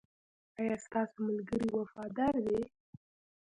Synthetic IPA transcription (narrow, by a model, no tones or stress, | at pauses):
ɑjɑst̪ɑsomalɡəɾiwafɑd̪ɑɾd̪e